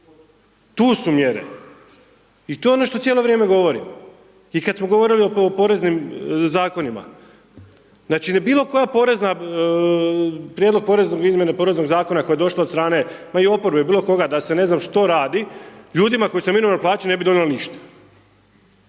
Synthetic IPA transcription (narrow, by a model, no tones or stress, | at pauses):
t̪uːsumjeɾḛ | it̪o̞jeono̞ʃt̪o̞t̪ʲjelo̞ʋɾjeːme̞ɡo̞ʋo̞ɾḭm | ikad̪smoɡoʋo̞ɾilioopo̞ɾe̞znimzaːko̞nima̰ | znaːt͡ʃinbiːlˠo̞ko̞japo̞ɾe̞zna | pɾjed̪loɡ̚po̞ɾe̞znoɡizmje̞napo̞ːɾe̞zno̞ɡzaːkonako̞jed̪o̞ʃlˠaot̪st̪ɾaːne̞maio̞poɾbebiːlˠo̞ko̞ɡad̪ase̞ne̞znamʃt̪o̞ɾaːd̪iʎuːd̪imako̞jisominuʋanplaːt͡ɕine̞bid̪o̞neliniʃt̪ḁ